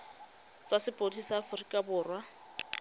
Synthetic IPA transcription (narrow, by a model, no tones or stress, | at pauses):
t͡sʼasɪpʼodisaːfʊrikʼabʊːrwa